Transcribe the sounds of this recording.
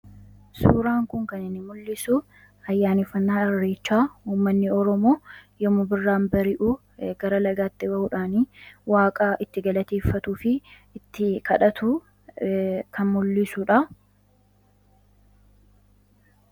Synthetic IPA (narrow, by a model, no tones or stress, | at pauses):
suːɾaːŋkʊŋkɐnɪnːɪmʊlːɪsu | ɐjːaːnɪfːɐnːaːɐrːe̞ːt͡ʃːaːuːmːɐnːɪɔɾɔmo̞ːjɔmʊbɪrːaːmbɐɾɪʔu | ɡ̥ɐɾɐlɐɡaːt̪ːɪbɐʔʊᶑaːniwaːkʼaːʔɪt̪ːɪɡɐlɐt̪eːfːɐt̪uːfɪ | t̪ːɪkɐᶑɐt̪ʊ | kʰɐnmʊlːɪsʊᶑɐ